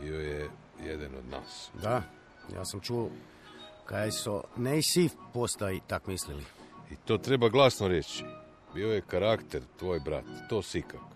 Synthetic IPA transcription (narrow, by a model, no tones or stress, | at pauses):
bioje | jed̪anod̪na̰ːsd̪a | ja̰ːsamt͡ʃuo | kajaso̰neisipost̪ait̪akmisliliit̪o̞ːt̪ɾe̞baɡlˠasnoɾet͡ɕi | biojekaɾakt̪eɾt̪ʋoːjbɾa̰t̪t̪oːsikak